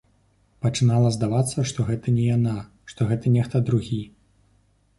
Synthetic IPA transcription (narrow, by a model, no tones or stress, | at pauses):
pɐt͡ʂɨnalˠɐzd̪avat̪sːɐʂt̪ɔɣɛt̪ɐnʲɛjana | ʂt̪ɔɣɛt̪ɐnʲɛxt̪ɐd̪ɾuɣʲi